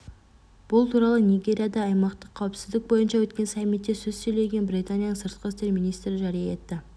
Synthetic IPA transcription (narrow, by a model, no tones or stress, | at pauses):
b̥ʊlˠt̪ʰuɾɑlˠənijɡʲe̞ɾijɑd̪ɑːjmɑqt̪əqʰːɑwɪpsɪzd̪ɪk̚bo̞jənʃɑwɵt̪kʲe̞nsɑmːit̪ːe̞sɵzsɵjle̞ɡʲe̞nbɾijt̪anʲijanəɴsəɾt̪̚qəɾɪst̪e̞ɾmijnijst̪ɾɪʒæɾijɑe̞t̪ːɪ